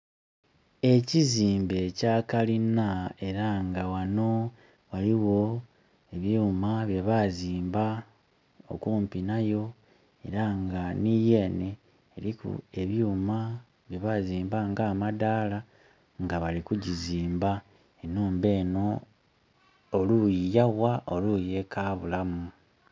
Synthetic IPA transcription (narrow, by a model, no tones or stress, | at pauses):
e̞ciziːmbe̞caːkalinae̞ɾaŋɡawano̞ | βaliwo̞ | eβjuːmaβje̞βaziːmba | o̰kuːmpinajo̞ | e̞̰ɾaŋɡanije̞ːneː | ɾikṵe̞βjuːma | βje̞βaziːmbaŋɡaːmadaːla | ŋɡaβalikuɟiziːmba | enuːmbe̞ːno̞ | lujijawaʔoluje̞kaːβulamu